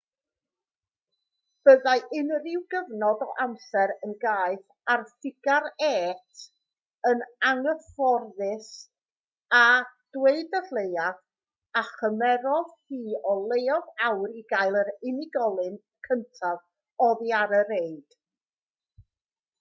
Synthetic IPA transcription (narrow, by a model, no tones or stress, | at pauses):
b̥əðajʔɪnrɪwɡəvnɔdɔ̰ʔamsɛɾənɡaːɨθ | arθɪɡ̥aɾɛːtʰ | ənaŋəfɔrðɨs | ad̥weɨdəθlˠejaθ | aχəmɛɾɔðhiːɔlˠejɔðawɾiɡajlˠəɾɪnɪɡɔlˠɨn | kʰəntʰav | ɔðiaɾəɾeɨd̥